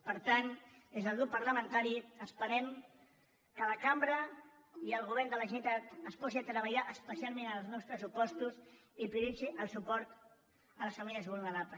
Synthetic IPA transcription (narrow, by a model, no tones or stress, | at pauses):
pəɾt̪and̪ezðəlˠɣɾup̚pːəɾləmənt̪aɾiəspəɾɛm | kələkambɾə | iəlˠɣuβɛɾnd̪ələʒinit̪at̪əspɔsiat̪ɾəβəʎaʔəspəsialˠmenəlˠznɔwspɾəsupɔst̪usipɾuðisiʔəlˠsupɔɾt̪ | ələsfəmiləzβulˠnəɾapləs